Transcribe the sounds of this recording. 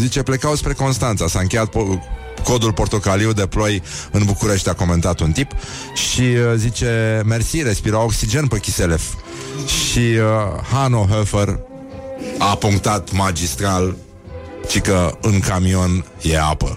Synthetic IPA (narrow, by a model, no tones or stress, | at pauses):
zit͡ʃe̞ple̞kawspɾe̞ko̞nst̪ant̪sasaɨŋkʲe̞jat̪̚p | ko̞d̪ulpo̞rt̪o̞kaliwd̪e̞plo̞jɨnbukuɾe̞ʃt̪ʲako̞me̞nt̪at̪unt̪ip | ʃizit͡ʃe̞mersiɾe̞spiɾaoksid͡ʒe̞npəkʲiselef | ʃiəhanoɦefər | apuŋkt̪at̪mad͡ʒist̪ɾal | t͡ʃikəɨŋkamio̞nje̞apə̰